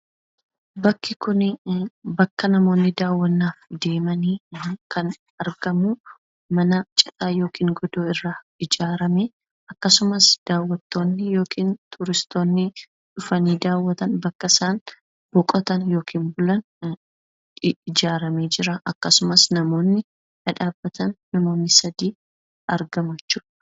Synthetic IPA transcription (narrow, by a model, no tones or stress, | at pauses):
bɐkːɪkʊn | bɐkːɐnɐmo̞ːnːɪd̪aːwːɐnːaːfd̪e̞ːmɐniːkɐn | ɐɾɡɐmu | mɐnɐt͡ʃʼɐt̪ʼaːjo̞ːkiːŋɡɔd̪oːɪrːa | ɪd͡ʒaːɾɐme | ɐkːɐsʊmɐsd̪̥aːwːɐt̪ːo̞ːnːɪjo̞ːkʰiːnt̪ʰʊɾɪst̪o̞ːnːɪ | ᶑʊfɐniːd̪aːwːɐt̪ɐnbɐkːɐɪsaːn | b̥ɔkʼɔt̪ɐnjo̞ːkʰiːnbʊlɐn | ɪd͡ʒaːɾɐme̞ːd͡ʒɪɾɐʔɐkːɐsʊmɐsnɐmo̞ːnːɪ | ɐᶑaːbːɐt̪ɐnːɐmo̞ːnːɪsɐd̪iː | ɐɾɡɐmjɛt͡ʃːuːᶑɐ̥